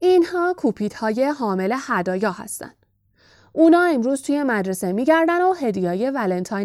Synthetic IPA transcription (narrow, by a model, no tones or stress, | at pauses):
inhɒːkʰuːpʰiːd̪̥hɒːje̞ɦɒːmele̞hæd̪ɒːjɒːhæ̰st̪æ̰nd̪̥ | ʔuːnɒːe̞mɾuːz̥t̪ʰuːje̞mæd̪ɾe̞se̞miːɟæɾd̪ænoɦe̞d̪ijɒːje̞vælent̪ʰɒːj